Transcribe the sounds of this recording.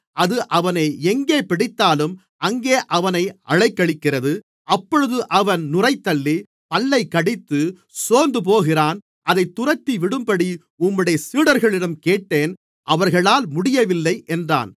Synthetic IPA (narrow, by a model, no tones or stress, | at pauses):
ʔɐðɯʔɐʋɐneːɛŋɡeːpɪɽɪt̪ːaːlɯm | ɐŋɡeːʔɐʋɐnɐɪʔɐ̰ɻɐɪkːɐɭɪkːɪrɐðɯ | ʔɐpːɔɻɯðɯʔɐʋɐnnʊrɐɪt̪ːɐɭːi | pɐlːɐɪkːɐɽɪt̪ːɯ | soːnd̪ɯp̬oːɣɪraːn | ʔɐðɐɪt̪ːʊrɐt̪ːiʋɪɽɯmpɐɽi | ʊmːɯɽɐjɐsiːɽɐɾɣɐɭɪɽɐmkeːʈːeːn | ʔɐʋɐɾɣɐɭaːlmʊɽɪjɐʋɪlːɐɪʔɛndra̰ːn